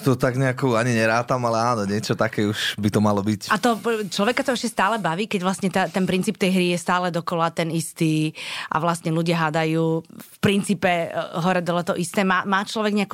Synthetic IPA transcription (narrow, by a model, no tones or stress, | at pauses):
t̪ɔt̪aɡɲɛakuːaɲiɲɛɾaːt̪amalɛaːnɔɲɪɛt͡ʃɔt̪akɛːuʃbit̪ɔmalɔbicat̪ɔt͡ʃlɔʋɛkat̪ɔɛʃcɛst̪aːlɛbaʋiːkɛɟʋlasɲɛt̪at̪ɛnpɾint͡siːp̚t̪ɛjɦɾijɛst̪aːlɛd̪ɔkɔlat̪ɛnist̪iːʔa̰ʋlastɲɛluɟɪaɦad̪ajuːfpɾint͡siːpɛɦɔɾɛd̪ɔlɛt̪ɔʔist̪ɛːmaːmaːt͡ʃlɔʋɛɡɲɛaku